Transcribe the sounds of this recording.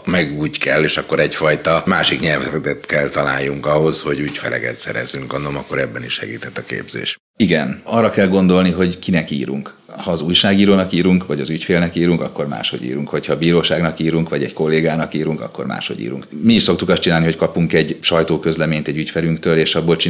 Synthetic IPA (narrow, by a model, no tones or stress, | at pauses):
mɛɡuːckɛlːeːʃɒkːo̞ɾɛcfɒjt̪ɒmaːʃikɲɛlvɛt̪ɛt̪kɛlt̪ɒla̰ːjːuŋkɒɦo̞sho̞ɟucfɛlɛ̰kɛ̰t̪sɛɾɛ̰zːyŋkɒnomɒkːo̞ɾɛbːɛniʃʃɛɡḭːt̪ɛt̪ːɒkḛːbzḛːʃ | iɡɛnɒrːɒkɛlɡo̞nd̪o̞lniɦo̞ɟkinɛkḭːɾṵŋk | hɒːzuːjʃaːɡiːɾoːnɒkiːɾuŋkʋɒɟɒzycfeːlnɛkiːɾuŋkɒkːo̞rma̰ːʃho̞̰ɟḭːɾuŋkho̞chɒbiːɾoːʃaːɡnɒkiːɾuŋkʋɒɟɛɟko̞lːeːɡaːnɒkiːɾuŋkɒ̰kːo̞̰rma̰ːʃho̞̰ɟḭːɾṵŋkmiːʃso̞kt̪ukɒst̪t͡ʃinaːliɦockɒpuŋkɛɟʃɒjt̪oːkø̞zlɛmeːɲt̪ɛɟycfɛɾyŋkt̪øːleːʃɒbːoːlt͡ʃi